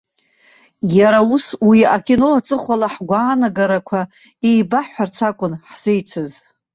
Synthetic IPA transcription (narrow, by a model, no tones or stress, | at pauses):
jaɾauswiakʰʲʼino̞at͡sʼɨχʷalaħɡʷaːnaɡaɾakʷʰa | ejbaħart͡sʰakʷʼʊnħz̥ejt͡sʰɨz